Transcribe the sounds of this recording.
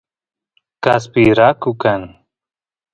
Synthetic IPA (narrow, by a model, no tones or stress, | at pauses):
kaspiɾakukan